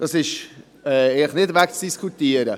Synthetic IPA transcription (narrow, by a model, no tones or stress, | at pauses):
d̥ɑsɪʃ | ɛeləχnɪdvækt͡sd̥iskʰutiːəɾə